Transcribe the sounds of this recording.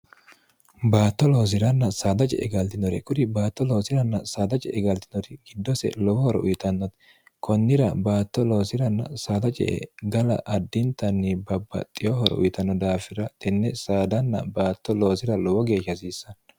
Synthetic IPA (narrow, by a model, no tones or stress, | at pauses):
baːt̪ːɔloːs̬ɪɾɐnːɐsaːd̪ɐt͡ʃʼɛ̰ʔɛɡɐlt̪ɪnɔɾɛkʼʊd̪ɪbaːt̪ːɔlo̞ːsɪɾɐnːɐsaːd̪ɐt͡ʃʼɛʔɛɡɐlt̪ɪnɔt̪ɪɡɪd̪ːɔsɛ̰lɔwɔhɔɾɛ̰ʔʊjɪt̪ɐnːɔt̪ | kʰɔnːɪɾɐbaːt̪ːɔlo̞ːsɪɾɐnːɐ̰saːd̪ɐt͡ʃʼɛ̰ʔɛ̰ɡɐlɐ̰ʔɐd̪ːɪnt̪ːɐnːɪbɐbːɐ̰t̪ʼːɪjɔhɔɾɛ̰ʔʊ̰jɪt̪ɐnːɔd̪aːfɪɾɐt̪ɛnːɛsaːd̪ɐnːɐ̰baːt̪ːɔlo̞ːsɪɾɐlɔwɔɡe̞ːʃːɐsiːsːɐn